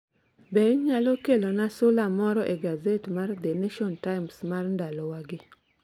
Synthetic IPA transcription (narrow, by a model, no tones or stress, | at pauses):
bɛɲalɔkelonasʊlamɔɾɔʔeɡazetmard̪eneʃɔntaɪmsmarndalɔwaɡɪ